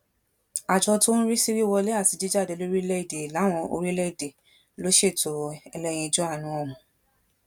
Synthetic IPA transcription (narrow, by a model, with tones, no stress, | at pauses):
a˨d͡ʒɔ˧to˦ñ̩˦ɾi˦si˦ɾi˦wɔ˧le˦a˦˨ti˨˧d͡ʒi˦d͡ʒa˦˨de˨˧lo˦ɾi˦lɛ˦i˦˨de˨la˨˦˨w̃ɔ̃˧o̰˧ɾi˦lɛ˦i˦˨de˨ | lo˨˦ʃe˦˨to˨ɛ˧lɛ˦j̃ĩ˧i˧d͡ʒɔ˦a˦˨nũ˨˦ɔ˦˨hũ˨